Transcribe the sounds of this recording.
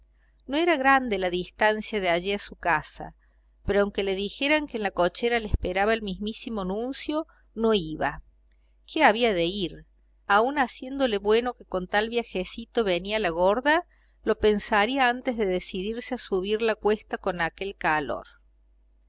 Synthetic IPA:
no̞e̞ɾaɣɾand̪elaðist̪ansjaðeaʒiasukasa̰ | peɾoawŋke̞le̞ðixe̞ɾaŋkeːnlakot͡ʃeɾaleehspeɾaβaelmizmisimonũnsjo̞ | noiβa | kʰeaβ̞iaðeiɾ | aunasje̞nd̪o̞leβwe̞no̞keko̞nt̪alβjaxesit̪o̞βenialaɣoɾða | lo̞pensaɾiaant̪ezðeðesiðiɾseasuβiɾlakwe̞st̪ako̞nake̞lkalo̰ɾ

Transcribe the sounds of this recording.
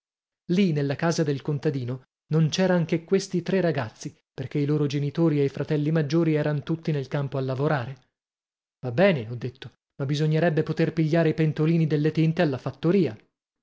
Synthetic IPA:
linelːakaːzad̪elkont̪ad̪iːno | nont͡ʃɛːɾaaŋk̟ekwest̪it̪ɾerːaɡat̪sːi | perk̟eiloːɾod͡ʒenit̪oːɾiejfɾat̪ɛlːimad͡ʒːoːɾiɛːɾanot̪ut̪ːinelkampoalːavoɾaːɾe | vabːɛːneɔd̪ːet̪ːo | mabːizoɲːeɾɛbːepot̪erpiʎːaːɾeipent̪oliːnid̪elːet̪int̪ealːafat̪ːoɾiːa

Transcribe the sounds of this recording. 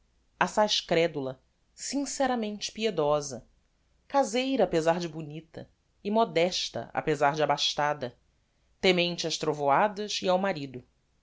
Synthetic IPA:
asajʃkɾɛd̪ulɐ | sĩŋsɛɾamẽnt͡ʃɪ̥pied̪ɔzɐ | kazejɾɐːpezaɾd͡ʒɪbunit̪ɐ̰ | ɪmɔd̪ɛʃt̪ɐ̰a̰pezaɾd͡ʒɪabaʃt̪ad̪ɐ | t̪emẽnt͡ʃɪɐʃt̪ɾovoad̪ɐziawmaɾid̪ʊ

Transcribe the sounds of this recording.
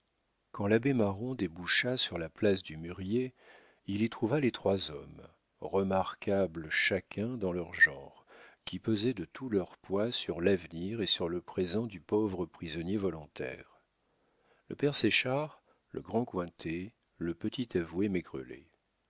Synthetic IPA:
kɑ̃labemaʁɔ̃d̪ebuʃasyʁlaplas̬d̪ymyʁje | ilit̪χuvalet̪χwazɔm | ʁəmaʁkabləʃakʰʲɛ̃d̪ɑ̃lœʁʒɑ̃ʁkʲipəzɛd̪ət̪ʰulœʁpwasyʁlavniʁesyʁləpχezɑ̃d̪ypovʁəpχizɔnjevɔlɔ̃t̪ɛ̰ːʁ | lə̰pɛʁseʃaʁ | lʔə̰ɡʁɑ̃kwɛ̃t̪ʰe | ləpət̪it̪avwemeɡʁə̰lḛ

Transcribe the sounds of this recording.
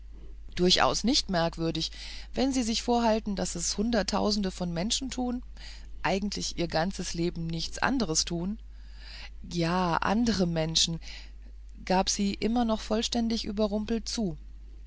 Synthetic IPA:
d̥ʊɐçʔa̰ʊsnɪçtmɛɐkv̥ʏɐdɪç | vɛnziːzɪçfoːɐɦaltn̩dasɛshʊndɐtʰːa̰ʊzn̩dəfɔnmɛnʃn̩tʰuːn | ʔaɪɡŋ̩tʰlɪçʔiːɐɡant͡səsleːbm̩nɪçt͡sʔa̰ndəʁ̞əstʰuːn | jaːʔa̰ndəʁəmɛnʃn̩ | ɡ̥aːpz̥iːʔɪmɐnɔχfɔlʃtɛndɪçʔy̰ːbɐʁʊmpl̩tt͡suː

